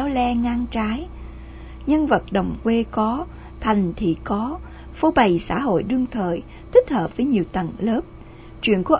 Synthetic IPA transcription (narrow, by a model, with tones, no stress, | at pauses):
a˨˦wlɛ˧ŋaː˧nt͡ɕaː˨˦j | ɲə˧nvə˨˩t̚ɗə˨˩wŋ͡mkwe˧kɔ˨˦ | t̪ʰa˨˩jŋ̟t̪ʰḭ˧˨kɔ˨˦ | fo˧˦ɓa˨˩jsa̰ː˧˥˩ɦo̰˧˨jɗɨ˧əŋt̪ʰəː˨˩j | t̪ʰï˦˥k̟̚həː˨˩p̚vəː˨˦jɲi˨˩əwt̪ə̰˧˨nləː˦˥p̚ | t͡ɕwḭ˧˨ənku˧˩ə